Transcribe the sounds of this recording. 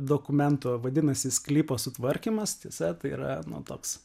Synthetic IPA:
d̪oːkʊmʲɛnt̪ʊʋɐd̪ʲɪnɐsʲɪsklʲiːpoːsʊt̪ʋɐɾʲkʲiːmɐst̪ʲiɛsɐt̪ɐɪḭɾɐ̰nʊ̰t̪oːks

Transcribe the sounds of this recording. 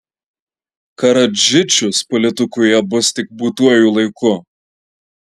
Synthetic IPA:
kɐɾɐd͡ʒʲɪt͡ʃʲʊspɔlʲɪt̪ʊkujɛbʊst̪ʲɪk̚buːt̪uɔjuːlˠɐɪkʊ

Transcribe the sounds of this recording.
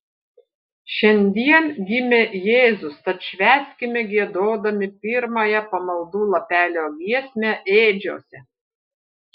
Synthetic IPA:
ʃʲɛnʲd̪ʲiɛnɡʲɪmʲeːjeːzʊst̪ɐt̪ʃʲʋʲæːsʲkʲɪmʲɛɡʲiɛd̪oːd̪ɐmʲɪpʲɪɾmɐjɛpɐmɐlˠd̪uːlˠɐpʲæːlʲoːɡʲʋʲiɛsʲmʲæʔeːd͡ʒʲo̰ːsʲɛ

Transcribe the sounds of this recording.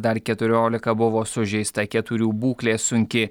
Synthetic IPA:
d̪ɐɾkʲɛt̪ʊɾʲoːlʲɪkɐbʊʋoːsʊʒʲɛɪst̪ɐkʲɛt̪ʊɾʲuːbuːklʲeːsʊŋʲkʲɪ

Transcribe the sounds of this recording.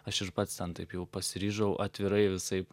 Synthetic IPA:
ɐʃɪɾpɐt̪st̪ʲɛnt̪ɐɪpjɛʊpɐsʲɪɾʲiːʒɐʊʔɐt̪ʲʋʲɪɾɐɪʋʲɪsɐɪp

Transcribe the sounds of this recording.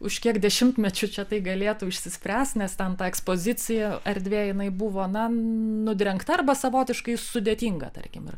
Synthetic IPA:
ʊʃkʲiɛkdʲɛʃʲɪmt̪mʲɛt͡ʃʲʊt͡ʃʲɛt̪ɐɪɡɐlʲeːt̪ʊɪʃʲsʲɪsʲpʲɾʲæːsʲt̪ʲnʲɛst̪ʲɛnt̪ɑːɛkspoːzʲɪt͡s̪ʲɪjɛɐɾʲd̪ʲʋʲeːjɪnɐɪbuʋoːnɐnʊd̪ʲɾʲɛŋkt̪ɐɐrbɐsɐʋoːt̪ʲɪʃkɐɪsʊd̪ʲeːt̪ʲiːŋɡɐ̰t̪ɐ̰rʲkʲɪmɪ̰r

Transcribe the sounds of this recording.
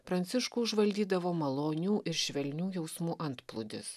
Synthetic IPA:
pɾɐnʲt̪sʲɪʃkuːʊʒʋɐlʲd̪ʲiːd̪ɐʋoːmɐlˠoːnʲuːʔɪɾʃʲʋʲɛlʲnʲuːjɛʊsmuːʔɐnt̪plˠʊd̪ʲɪ̰s

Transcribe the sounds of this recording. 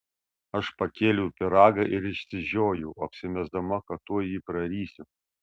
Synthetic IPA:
ɐʃpɐkʲeːlʲʊpʲɪɾɑːɡɐʔɪɾɪʃʲsʲɪʒʲoːjɛʊɐpʲsʲɪmʲɛzd̪ɐmɐkɐtt̪ːuɔjiːpɾɐɾʲiːsʲɪ

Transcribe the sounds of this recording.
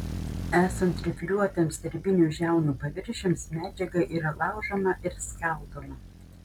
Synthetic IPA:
æːsɐnt̪ɾʲɪfʲlʲuɔt̪ʲɛmsʲd̪ʲɛɾʲbʲɪnʲuːˑʒʲæˑʊnuːpɐʋʲɪɾʲʃʲɪmsmʲæːd͡ʒʲɛɡɐʔiːɾɐlˠɑˑʊʒɐmɐʔɪɾsʲkɑˑʊd̪omɐ

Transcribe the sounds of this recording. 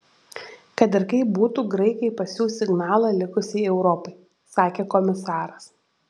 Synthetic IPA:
kɐt̪ɪɾkɐɪbuːt̪uːɡɾɐɪkɐɪpɐsʲjuːsʲɪɡnɑːlˠɑlʲɪkʊsʲɪɪɛʊɾɔpɐɪ | sɑːkʲeːkɔmʲɪsɑːɾɐs

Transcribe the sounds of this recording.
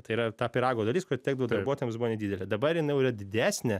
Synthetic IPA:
t̪ɐɪiːɾɐt̪ɑːpʲɪɾɑːɡoːd̪ɐlʲiskʊɾɐt̪ʲtʲæːɡ̚d̪ɐʋoːd̪ɐɾboɔːt̪oːjmsbuʋoːnʲɛdʲiːdʲɛlʲɛd̪ɐbɐrjɪnɐɪjʊɪɾɐdʲɪd̪ʲæːsʲnʲɛ

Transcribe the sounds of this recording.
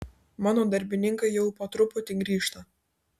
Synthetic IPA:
mɑːnoːd̪ɐɾʲbʲɪnʲɪŋkɐɪjɛʊpɐt̪ɾʊpʊt̪ʲɪɡɾʲiːʃt̪ɐ

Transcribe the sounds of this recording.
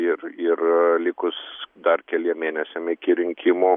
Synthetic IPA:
ɪrɪrlʲɪkʊsd̪ɐrkʲɛlʲiɛmʲeːnʲɛsʲɛmɪkʲɪɾʲɪŋʲkʲɪmoː

